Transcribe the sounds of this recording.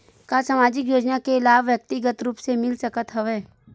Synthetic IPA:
kasaːmaːd͡ʒɪkjoːd͡ʒnakeɪlaːbʋjək̚t̪ɪɡət̪ɾuːpsemɪlsɐkət̪ɦəʋeː

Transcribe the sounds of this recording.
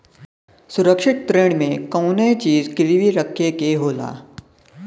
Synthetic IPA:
sʊɾəkʂɪʈ̪̚t̪ɾeːɽmẽkəwnet͡ʃiːzkɾʋiɾəkʰːekeɦoːla̰ː

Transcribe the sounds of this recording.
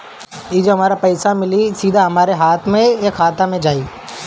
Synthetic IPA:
iːd͡ʒoɦɐmaːɾapɐɪsamɪlisiːd̪ʱaɦɐmaːɾeɦaːt̪ʰmẽjakʰaːt̪amẽd͡ʒaːiː

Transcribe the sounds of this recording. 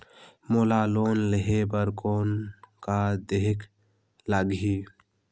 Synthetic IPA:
molaloːnleɦebəɾkoːnkad̪eɦk | laɡɦi

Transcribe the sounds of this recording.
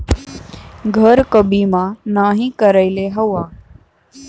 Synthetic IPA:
ɡʱəɾkəbiːmãːnaːɦĩːkəɾəɪleːɦəʋaː

